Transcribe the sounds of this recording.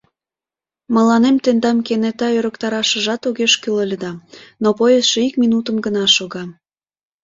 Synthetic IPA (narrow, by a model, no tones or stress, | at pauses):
mə̆lɑnemt̪end̪ɑmkenet̪ɑøɾəkt̪ɑɾɑʃə̆ʒɑt̪oɣeʃkyləlʲəd̪ɑnopojəsʃeikminut̪əmɡənɑʃoɣɑ